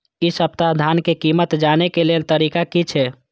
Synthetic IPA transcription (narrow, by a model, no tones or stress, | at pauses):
isəb̚t̪aɦd̪ʱankekimət̪d͡ʒanekelelt̪əɾikakit͡ʃʰɛ